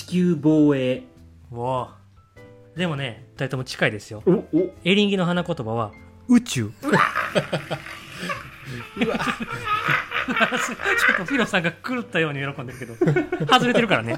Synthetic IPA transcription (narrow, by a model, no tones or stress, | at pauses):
t͡ɕi̥kʲɨːboːeː | βo | d̪e̞mo̞ne̞t̪ait̪omot͡ɕi̥kaid̪e̞sɨjo̞e̞ɾʲĩŋɡʲino̞ɦanakot̪o̞baβ̞a | ɯ̟t͡ɕɨː | d̪sɨt͡ɕot̪ːoɸʲiɾosãŋɡakɯ̟t̪ːajo̞ːɲ̟ijo̞ɾo̞kõ̞nd̪eɾɯ̟ke̞d̪o̞hazɨɾe̞t̪eɾɯ̟kaɾane̞